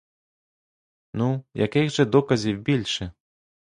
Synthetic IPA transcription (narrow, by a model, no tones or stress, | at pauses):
nuja̰kiɣʐɐd̪ɔkɐzʲiwbʲilʲʂɛ